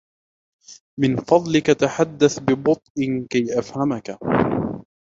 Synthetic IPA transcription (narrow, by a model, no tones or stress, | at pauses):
mɪnfɑd̪ˤlɪkat̪aħad̪ːaθbɪbʊt̪ˤʔɪnkajʔafhamaka